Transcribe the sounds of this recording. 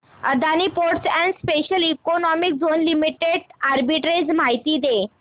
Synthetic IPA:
ə̰d̪anipoɾʈsɛ̃nɖspeɕəlikonɔmik̚d͡zonlimiʈeɽaɾbiʈɾed͡zmaɦit̪id̪e

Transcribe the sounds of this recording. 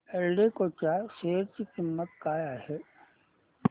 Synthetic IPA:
ɛlɖekot͡ʃaseːɾkikɪmːət̪̚kaːjahɛ

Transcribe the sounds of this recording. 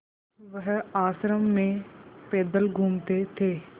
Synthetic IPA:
ʋəɦaːsɾəmːẽːpeːd̪əlɡʱuːmt̪eːt̪ʰeː

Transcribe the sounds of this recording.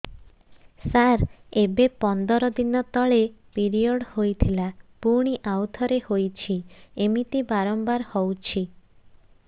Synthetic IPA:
saɾebepɔnd̪ɔɾɔd̪inɔt̪ɔɭepiɾijɔɽhojt̪ʰilapuɽ̃iʔawt̪ʰɔɾehojt͡ʃʰiemit̪ibaɾɔmbaɾhɔwt͡ʃʰi

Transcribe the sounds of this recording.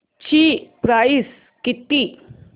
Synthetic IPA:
t͡ɕipɾais | kit̪i

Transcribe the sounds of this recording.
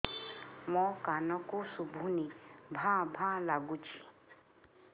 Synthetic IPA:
mɔkanɔkusubʱunibʱãbʱãlaɡut͡ʃʰi̥

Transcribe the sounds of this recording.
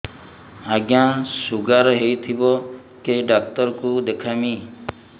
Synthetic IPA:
aɡjasuɡaɾɔɦejt̪ʰibɔ | keɖak̚t̪ɔɾɔkud̪ekʰami

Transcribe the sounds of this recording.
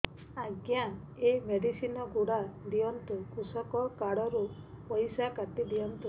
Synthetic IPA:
aɡja | emeɽisinɔɡuɽad̪iɔnt̪ukusɔkɔkaɽɔɾu | pɔjsakat̪id̪iɔnt̪u

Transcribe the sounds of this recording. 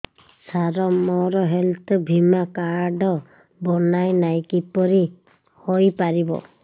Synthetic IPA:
saɾɔmɔɾɔɦelt̪ʰɔbʱimakaɾɖɔ | bɔnajnajkipɔɾi | hojpaɾibɔ̰

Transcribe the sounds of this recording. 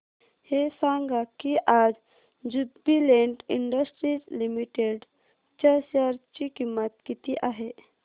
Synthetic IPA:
hesãːŋɡakiʔaːd͡ʒ | d͡ʒubilẽːɳʈɪɳɖəsʈɾid͡ʒlimiʈeɖ | t͡ʃasjaɾt͡ʃikimːət̪kit̪iʔaːɦe

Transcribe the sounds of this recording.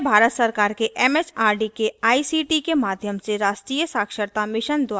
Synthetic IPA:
bʱaːɾət̪səɾkaːɾkeʔɛːmesaːɾɖikeaːisiʈikemaːd̪ʱjəmseɾaːʃʈɾiːjəsaːkʃəɾt̪amɪʃənd̪waː

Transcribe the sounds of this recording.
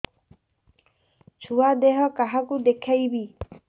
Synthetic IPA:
t͡ʃʰuad̪eɦɔkaɦakud̪ekʰajbi

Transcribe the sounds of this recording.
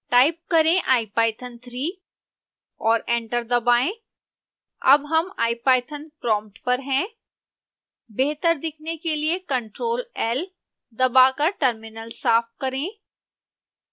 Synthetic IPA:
ʈaːɪp̚kɐɾẽʔaːipaːɪt̪ʰənt̪ʰɾiː | ɔːɾɛ̃ːɳʈəɾd̪ɐbaːẽ | ɐ̰bɦɐmaːipaːɪt̪ʰənpɾɔ̃ːmpʈpɐɾɦɛ̃ | beːɦt̪əɾd̪ɪkʰnekeliekɐ̃ɳʈɾoːlɛːl | d̪ɐbakaʈəɾmɪnəlsaːfkɐɾẽː

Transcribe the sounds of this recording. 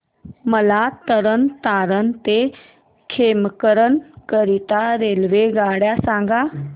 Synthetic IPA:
məlat̪əɾənt̪aɾənt̪e | kʰemkəɾənkəɾit̪aɾelʋeɡaɽjasãŋɡa

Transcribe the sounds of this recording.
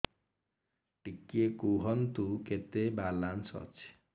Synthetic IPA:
ʈikːekuɦʌnt̪uket̪ebalansʌ̰t͡sʰ

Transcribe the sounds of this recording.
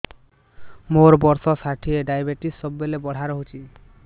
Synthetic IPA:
moɾbɔɾsɔsaʈʰieɖajbeʈisːɔbːelebɔɽ̤ʱaɾɔɦot͡ʃʰi

